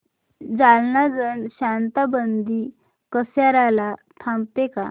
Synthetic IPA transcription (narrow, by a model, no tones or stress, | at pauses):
d͡zalnad͡zənɕant̪abənd̪i | kəsjaɾalat̪ʰãmpeka̰